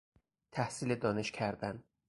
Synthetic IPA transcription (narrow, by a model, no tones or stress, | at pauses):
t̪ʰæhsiːled̪ɒːne̞ʃcʰæɾd̪æn